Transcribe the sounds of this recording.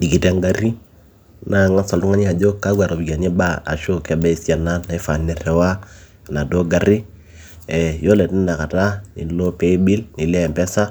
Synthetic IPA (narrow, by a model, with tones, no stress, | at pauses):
di˨ki˨tɛ˦ŋɡa˦ɾi˦ | na˨ŋa˦sa˨ltu˦ŋa˦ɲi˦a˨d͡ʒo˦ka˦ɡwa˨ɾo˨bi˨ɡa˨ɲɛ˦ba˦a̰˨ʃo˦kɛ˨bɛ˦i˨si˦a˨na˦na˨i˦fa˨nɛ˨ɾɛ˨wa˦˨ | na˨do˦ɡa˨ɾi˦ | ɛ˨jo˦lɛ˨ti˦n˦da˨ka˨ta˦ḭ˨˦lo˦pɛ˦bi˦lni˨lɛ˦˨mpɛ˦sa˦